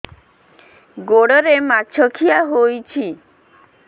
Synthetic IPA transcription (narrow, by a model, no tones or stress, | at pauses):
ɡoɽoɾemaːʃʰokʰijaɦojt͡ɕʰi